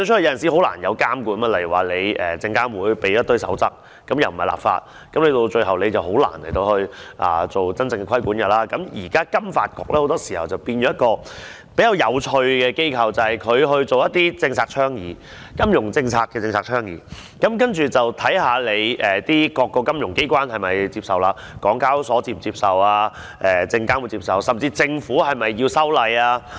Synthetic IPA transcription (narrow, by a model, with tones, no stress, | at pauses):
t͡ʃʰːjɐ˧˨ɐ˨si˨˥ɦo˨˥wla̰ː˨˩njɐ˨˧wkaː˥mkuː˨˧˥nmaː˧˥lɐ˨˩ji˨˩waː˨˩le˨˧jɛ̰ː˨˩t͡sɪ˧ŋkaː˥nwuː˨jpe˨jjɐ˥t̪̚ːɵ˥ɥsɐ̰˨˥wt͡sɐ˥k̚ːɐ˨˥mjɐ˨wm̩˨hɐ˨˩la̰ː˨pfa̰ː˧t̚ | kɐ˨˥mle˧jt̪o˧t͡ʃɵ˧ɥhɦɐ˨wle˨˧jt͡sɐ˨˩who˨˥wla̰ː˨˩nle˨˩jt̪o˧whɵ˧ɥʔa̰ː˨t͡so˨wt͡sɐ˥nt͡sɪ˧ŋkɛ˧kʰɐ˥jku˨˥njɐ˨˩t̚laː˦˥kɐ˨˧˥mjiː˨˩kaː˥kɐ˥mfa̰ː˧t̚kɔ̰˧k̚ʔɛː˥o˨˧wt̪ɔː˥siː˨˩hɐ̰˨wt͡sɐ˨wpiː˧njɔː˨˦jɐ˥tkɔː˧ | pe˨˥jɐː˨˧wjɐ˨˧wt͡ʃʰɵ˧ɥkɛː˧ke˥jkʰɐ˨wt͡sɐ˨hɐ˨jkʰɵ˨˧ɥɦɵ˧ɥt͡so˨wjɐ˥t̪̚iː˥t͡sɪ˧ŋt͡sʰaː˧k̚t͡ʃʰœː˥ŋjiː˨ | kɐ˥mjʊ˨˩ŋt͡sɪ˧ŋt͡sʰaː˧t̚kːɛː˧t͡sɪ˧ŋt͡sʰaː˧˩t͡ʃʰœː˥ŋjḭː˨˧ | kɐ˨˦mkɐ˥nt͡ʃyː˨t͡sɐ˨wt̪ʰɐ˨˥jhaː˨˧le˨˧jʔɛː˨˩t̪iː˥kɔː˧kːɔː˧kɐ˥mjʊ˨˩ŋke˥jkʷaː˥nhɐ˨jmɐ˨jt͡siː˧p̚sɐ˨wlaː˧ | kɔː˨˥ŋkaː˥wsɔː˨˥t͡siː˨˩mt͡siː˧p̚sɐ˨˩waː˧ | ʔɛː˨t͡sɪ˧ŋkaː˥nwu˨˧t͡si˧psɐ˨wsɐ˨mt͡siː˧t͡sɪ˧ŋfuː˨˥ɦɐ˨jmɐ˨jːiː˧sɐ˥wlɐ˨˧jaː˧